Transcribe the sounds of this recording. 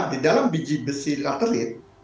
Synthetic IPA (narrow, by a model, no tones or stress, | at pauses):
didalambid͡ʒibəsikat̪əɾɪt̪̚